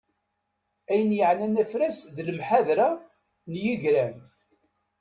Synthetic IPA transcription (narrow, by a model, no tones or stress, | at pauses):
æjənjəʕnænæfɾæsðləmħaðɾa | njəʝɾæn